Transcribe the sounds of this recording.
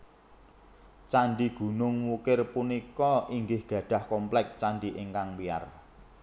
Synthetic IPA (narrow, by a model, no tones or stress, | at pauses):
t͡ʃanɖiɡ̥ṳnʊŋwukɪrpunikɔʔiŋɡɪhɡ̥ä̤ɖ̥a̤hkɔmplɛk̚t͡ʃanɖiʔɪŋkaŋbia̰r